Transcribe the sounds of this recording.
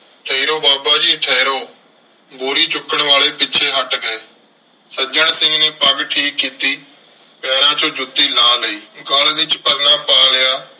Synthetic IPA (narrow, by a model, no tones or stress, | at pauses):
ʈʰeːiɾoːbaːbaːd͡ʒiːʈʰɛːiɾoː | buːɾiːt͡ʃʊkːəɳʋaːleːpɪːt͡ʃʰeːɦəʈɡəeː | səd͡ʒəɳ̃sɪ̃ŋɡneːpəɡʈʰiːkːiːt̪iː | pɛːɾãːt͡ʃõːd͡ʒʊd̪iːlaːləiːɡəld̪ɪt͡ʃpəɾnaːpaːlɪjaː